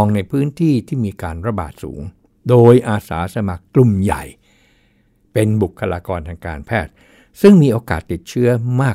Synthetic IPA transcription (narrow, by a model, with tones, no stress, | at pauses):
ŋna˧jpʰɯː˦˥nt̪ʰiː˥˩t̪ʰiː˥˩miː˧kaː˧nɾa˧ba̰ː˨˩t̪̚sṵː˩˦ŋ | doː˧jʔaː˧sa̰ː˩˦sa˧ma˨˩kklu˨˩mja̰˨˩j | pe˧nbu˨˩kʰːa˧laː˧kɔː˧nt̪ʰaː˧ŋka̰ː˧npʰɛː˥˩t̪̚ | sɯ˥˩ŋmiː˧ʔoː˧ka̰ː˨˩t̪ːi˨˩t̪̚t͡ɕʰɯ˦˥ɐmaː˥˩